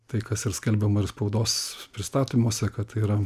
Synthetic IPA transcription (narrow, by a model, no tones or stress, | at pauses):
t̪ɐɪkɐsɪrsʲkʲɛlʲbʲɛmɐɪrspɐʊd̪oːspʲɾʲɪst̪ɑːt̪ʲiːmoːsʲɛkɐtt̪iːɾɐ